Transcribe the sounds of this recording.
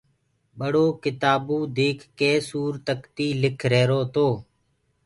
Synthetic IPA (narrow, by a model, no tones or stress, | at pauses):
ɓəɽoːkɪt̪aːbũːd̪eːkʰːeːsuːɾt̪əkt̪iːlɪkʰɾeːɾoːt̪oː